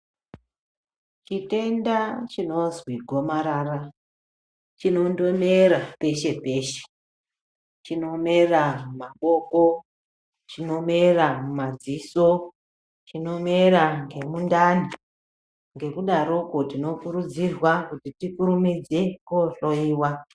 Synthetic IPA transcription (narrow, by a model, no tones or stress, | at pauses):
t͡ʃite̞ndat͡ʃino̞zwiɡʱo̞maɾaːra | t͡ʃino̞ndo̞meɾape̞ʃe̞pe̞ːʃe̥ | t͡ʃino̞me̞ramumaɓo̞ko̞ | t͡ʃino̞meramumad͡ziso | t͡ʃino̞me̞ɾaŋɡe̞mundani | ŋɡe̞kuɗaɾokotino̞kuɾud͡zirwakutitikuɾumid͡ze̞koɬoiːwa